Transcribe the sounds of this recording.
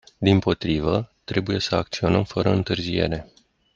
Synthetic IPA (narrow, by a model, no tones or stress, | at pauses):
d̪impo̞t̪ɾivət̪ɾe̞buje̞səak̚t̪sio̞nəmfəɾəɨnt̪ɨrzie̞̰ɾe̞